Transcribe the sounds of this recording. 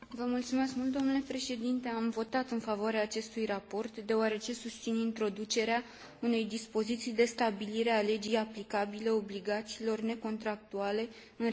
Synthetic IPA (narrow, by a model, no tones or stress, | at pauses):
vəmult̪sume̞skmult̪̚d̪o̞mnule̞pɾe̞ʃe̞d̪int̪e̞amvo̞t̪at̪ɨnfavoaɾeaːt͡ʃe̞st̪ujrapo̞rt̪d̪e̞oaɾe̞t͡ʃe̞sust̪sinint̪ɾo̞d̪ut͡ʃe̞ɾea | une̞jd̪ispo̞zit̪sijd̪e̞st̪abiliɾe̞ale̞d͡ʒijaplikabile̞o̞bliɡat̪siːlo̞rne̞ko̞nt̪ɾak̚t̪uale̞ | ɨn